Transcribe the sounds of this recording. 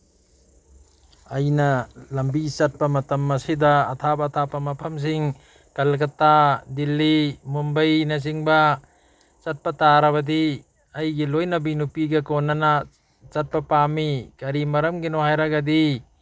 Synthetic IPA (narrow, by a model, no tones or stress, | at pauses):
ɐjnɐlɐmbit͡ʃɐt̚pɐmɐtɐmːɐsidɐːtʰabɐːtʰapɐmɐpʰɐms̬iŋ | kɐlɡɐtadilːimumbɐjnɐz̬iŋbɐ | t͡ʃɐt̚pɐtaɾɐbɐdi | ɐjɡilojnɐbinupiɡɐkonːɐnɐ | t͡ʃɐt̚pɐpamikɐɾimɐɾɐmɡinohajɾaɡɐdi